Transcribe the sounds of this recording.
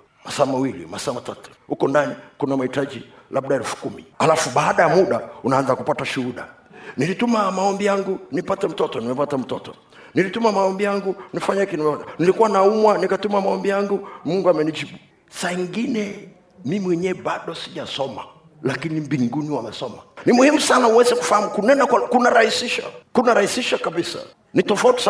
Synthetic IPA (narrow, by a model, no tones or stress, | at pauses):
masaːmawilḭmasaːmatatu̥hukɔndanikunamahitad͡ʒilaɓɗaɛlfu̥kumḭalafuɓaːɗajamuɗaunaanzakupataʃuhuɗa̰ | nilitumamaɔmbijaŋɡunipatɛm̩tɔtɔnimɛpatam̩tɔtɔ̰ | nilitumamaɔmbijaŋɡunifaɲakininilikuwanaumwanikatumamaɔmbijaŋɡumuŋɡuamɛniʄiɓu | saiŋɡinɛ | mimiwɛɲɛːɓaɗɔsiʄasɔma̰ | lakinimbiŋɡuniwamɛsɔmanimuhimusanauwɛzɛku̥fahamukunɛnakkunaɾahisiʃa̰kunaɾahisiʃakaɓisa̰ | nitɔfauti̥sa